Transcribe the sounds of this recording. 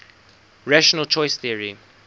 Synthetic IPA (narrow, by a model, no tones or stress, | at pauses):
ɹaʃɔnəlt͡ʃʰɔɪsθiəɹi